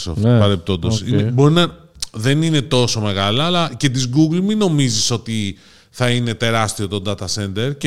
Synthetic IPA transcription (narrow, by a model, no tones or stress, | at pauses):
so̰fpɐɾep̚t̪o̞nd̪osinebo̞ɾinɐ | ðe̞nine̞t̪o̞so̞me̞ɣɐlɐːlɐce̞t̪̬izɡuɡlmino̞miziso̞t̪i | θɐine̞t̪e̞ɾɐst̪io̞t̪o̞nd̪ɐt̪ɐse̞nd̪e̞ɾce